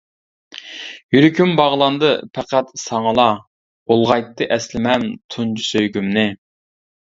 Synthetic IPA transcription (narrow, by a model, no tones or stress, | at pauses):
jyɾykʲʰymbɑʁlˠɑnd̪ɨpʰæqæt̪sɑŋəlˠɑ | olˠʁɑjt̪ʰːɨʔɛslɪmɛmt̪ʰunt͡ʃʰusøjɡʲymnɪ